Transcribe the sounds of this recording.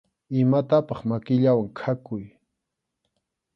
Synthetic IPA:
ɪmat̪apɑχmakɪʎawaŋkʰakʊj

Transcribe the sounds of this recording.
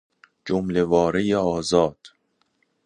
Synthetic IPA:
d͡ʒomlevɒːɾejeɒːzɒːd̪̥

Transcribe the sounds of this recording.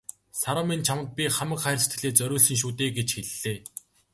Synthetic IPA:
saɾə̆mint͡ɕʰamə̆t̪̚pʲiχamə̆kχæːrsʰt̪ɡɘ̆ɮeːt͡sœɾʲʊːɮsɘ̆ŋʃ̬uːt̪eːɡet͡ɕxeɮːeː

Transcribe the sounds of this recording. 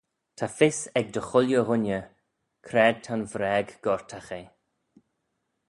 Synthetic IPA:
tʰafɪsɛɡ̚d̪əxʊljəɦʊnʲjə | kʰɾɛːd̚t̪ʰanvɾɛːɡɡ̥ɔɹtʰaxe

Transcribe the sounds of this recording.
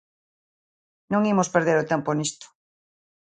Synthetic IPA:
nõŋimospeɾðeɾot̪ɛmponist̪o̥

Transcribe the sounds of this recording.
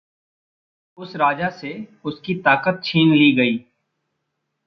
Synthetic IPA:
ʊsɾaːd͡ʒaseʊskit̪aːkət̪̚t͡ʃʰiːnliːɡəiː

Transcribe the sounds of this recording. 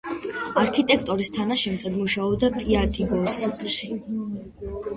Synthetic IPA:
aɾkʰit̪ʼɛkʰt̪ʼɔɾist̪ʰanaʃɛmt̪sʼɛd̪muʃaɔbd̪apʼiad̪iɡɔsɔχʰlʃi

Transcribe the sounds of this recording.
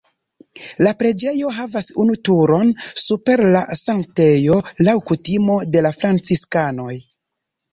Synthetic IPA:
lapɾe̞d͡ʒe̞jo̞ɦavasunutuɾo̞nsupe̞ɾlasaŋk̚te̞jo̞lawkutimo̞de̞lafɾant͡siskano̞j

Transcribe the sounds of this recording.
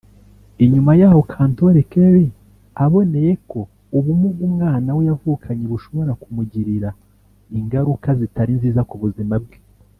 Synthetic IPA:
iɲumajaːho̞kʰaːnto̞ɾekeɾi | aβo̞ne̞je̞ko̞ | uβumuɡumŋaːnawejavuːkʰaɲeβuʃo̞βo̞ɾakumuɟiɾiɾa | iŋɡaɾukazitaɾinziːzakuβuzimab̚ɡe

